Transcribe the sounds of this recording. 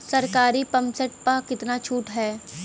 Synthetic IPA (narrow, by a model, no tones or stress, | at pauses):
sɐɾkaːɾipɐ̃msəʈpakɪt̪nat͡ʃʰuːʈɦɛː